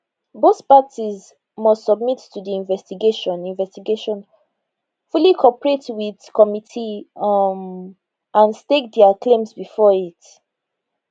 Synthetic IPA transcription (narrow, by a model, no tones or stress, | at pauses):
boθpatiz | mʌstsɔb̚mitːudiĩnvɛstiɡeʃɔ̃nĩnvɛstiɡeʃɔ̃n | fulikʰɔpəɹetwiðkɔmitʰi | m | ãnstek̚dɛəklẽmsbifɔit